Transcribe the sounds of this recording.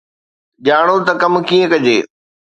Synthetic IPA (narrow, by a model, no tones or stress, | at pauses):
ʄaːɽ̃ot̪ɐkɐmkĩːə̃kɐd͡ʑeː